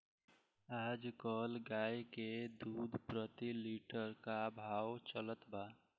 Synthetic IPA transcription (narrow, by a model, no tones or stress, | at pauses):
aːd͡ʒkəlɡajked̪ud̪ʱpɾət̪iliʈəɾkabʱaːwt͡ʃələt̪ba